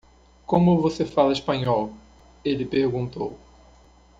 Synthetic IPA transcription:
kõmʊvosefalɐiʃpɐ̃ɲɔw | elɪpeɾɡũnt̪o̰w

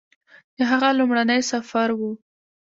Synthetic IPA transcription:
d̪̥əɦaɣalumɽanəjsafaɾwu

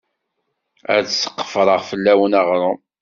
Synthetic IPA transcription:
æsːə̥qːə̥fɾˤəʁfəlːæwənaʁɾˤʊ

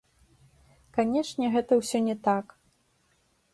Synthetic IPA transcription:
kanʲɛʂnʲɛɣɛt̪ɐwsʲɔnʲɛt̪ak

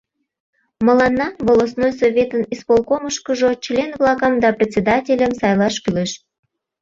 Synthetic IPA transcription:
məlɑnːɑβolˠosnojsovʲet̪ənispolˠkoməʃkəʒot͡ɕlʲenvlˠɑkɑmd̪ɑprʲet̪ʲt͡sʲed̪ɑtʲelʲəmsɑjlˠɑʃkyleʃ

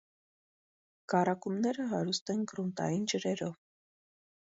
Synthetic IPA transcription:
kɑrɑkumnɛɾəɦɑɾust̪ɛnɡɾunt̪ɑ̰jind͡ʒəɾɛɾɔv

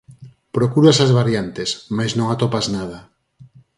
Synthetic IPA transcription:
pɾokuɾasazβaɾjant̪esmajznõŋat̪opaznað̞a

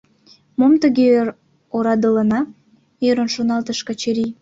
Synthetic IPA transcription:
momt̪əɣeɾ | oɾɑd̪ələnɑ | eɾənʃonɑlt̪əʃkɑt͡ɕeɾi

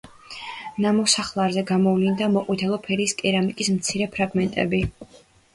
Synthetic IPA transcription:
namɔsaχlˠaɾzɛɡamɔvlind̪amɔqʼwit̪ʰɛlˠɔpʰɛɾiːskʼɛɾamikʼismt̪sʰiɾɛpʰɾaɡmɛnt̪ʼɛ̰bi

